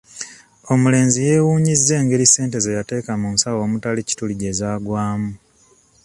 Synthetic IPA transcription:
o̞mule̞ːnzije̞ːwuːɲizːe̞ːŋɡe̞ɾise̞ːnte̞zejate̞ːkamunsawo̞ːmutalici̥tuliɟe̞zaːɡwaːmu

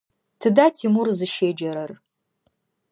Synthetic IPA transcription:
tʰɨdatʰimurzɨʃeːd͡ʒɐɾɐr

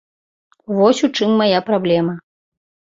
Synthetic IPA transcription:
vɔsʲut͡ʂɨmːajapɾablʲɛmɐ

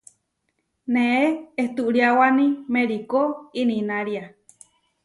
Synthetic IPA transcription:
neeeht̪uʔɾiawanimeɾikoininaɾia

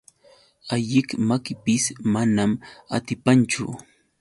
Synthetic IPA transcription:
aʎɪkmakɪpɪsmanama̰t̪ɪpant͡ʃʊ̰

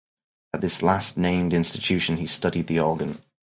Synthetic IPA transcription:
əʔ̪̚ðɪslasnẽɪ̃mdɪ̃nstɪtʰʉˑʃə̃nistʌɾid̪̚ðiɔːɡə̃n

